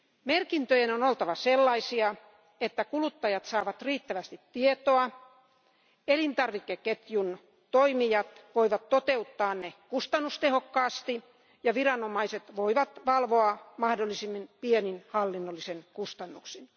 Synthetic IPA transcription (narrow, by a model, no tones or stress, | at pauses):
merkint̪øjenonolt̪ɑʋɑselːɑisiɑ | et̪ːækulut̪ːɑjɑt̪sɑːʋɑt̪riːt̪ːæʋæst̪it̪tiet̪oɑ | elint̪ɑrʋikːeket̪jun | t̪oimijɑt̪ʋoiʋɑt̪tot̪eut̪ːɑːnnekust̪ɑnːust̪ehokːɑːst̪i | jɑʋirɑnomɑiset̪ʋoiʋɑt̪ʋɑlʋoɑmɑhdolːˑisimːinpieninhɑlːinːolːisenkust̪ɑnːuksin